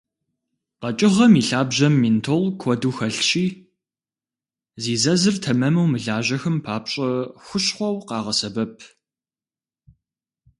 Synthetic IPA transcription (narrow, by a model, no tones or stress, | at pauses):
qɐt͡ʃʼɪʁɐmiːɬaːbʑɐmːiːntʰolkʷʰɔduːxɐɬɕʼiː | ziːzɐzɨrtʰɐmɐmɐwmɨɮaːʑɐxɨmpʰaːpɕʼɐxʷʊɕχʷɔwqɑːʁɐsɐbɐpʰ